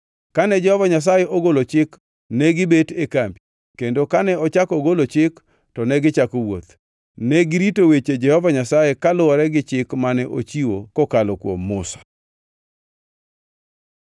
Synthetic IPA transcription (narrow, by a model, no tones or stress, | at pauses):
kanɛd͡ʒɛhɔvaɲas̬ajeʔoɡolot͡ʃɪk | nɛɡɪbetekampi | kendokanɛɔt͡ʃakoɡolot͡ʃɪk | tɔnɛɡɪt͡ʃakowot̪ | nɛɡɪɾitowet͡ʃed͡ʒɛhɔvaɲasajekalʊɔɾɛɡɪt͡ʃɪkmanɛʔo̰t͡ʃiwokokalokwo̰mːʊsḁ